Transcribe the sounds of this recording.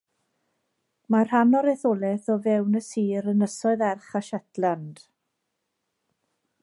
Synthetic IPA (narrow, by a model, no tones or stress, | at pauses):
marhanɔɾɛθolˠɛθɔvɛwnəsiːɾənəsɔɨðɛrχaʃɛtland̥